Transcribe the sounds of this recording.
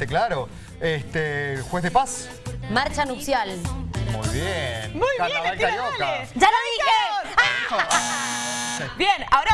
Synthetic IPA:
eklaɾo | est̪exwezðepas | maɾt͡ʃanupsjalmṵjβjenmujaeaβalkaʎoad͡ʒalaðie | bjenaoɾa

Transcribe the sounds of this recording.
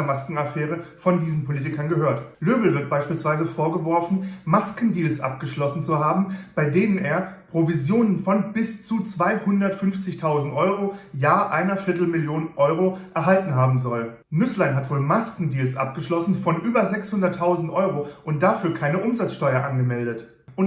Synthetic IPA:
ɐmaskŋ̩afɛːʁəfɔndiːzn̩pʰoliːtɪkɐnɡəhøːɐtløːbl̩vɪɐt̚b̥aɪʃpiːlsv̥aɪzəfoːɐɡəvɔɐfn̩maskn̩diːlsʔa̰p̚ɡ̥əʃlɔsn̩t͡suɦaːbm̩b̥aɪdeːnəneːɐpʁ̥ovizjoːnənfɔnb̥ɪst͡sut͡sv̥aɪhʊndɐtfʏnft͡sɪçtʰaʊzn̩tʔɔʏʁojaːʔaɪnɐfɪɐtl̩mɪljoːnʔɔʏʁ̞oʔɛɐɦaltn̩ɦaːbm̩zɔl | nʏslaɪnɦatv̥oːlmaskŋ̩diːlsʔa̰p̚ɡ̥əʃlɔsn̩fɔnʔyːbɐzɛkshʊndɐtʰːaʊzn̩tʔɔʏʁoʔʊnt̚d̥afyːɐkʰaɪnəʔʊmzat͡sʃtɔʏɐʔanɡəmɛldət | ʔʊn

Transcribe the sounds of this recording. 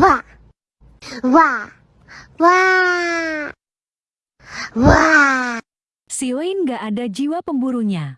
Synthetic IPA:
wa | wa | wa | wa | sioinɡaʔadad͡ʒiwapəmbuɾuɲa

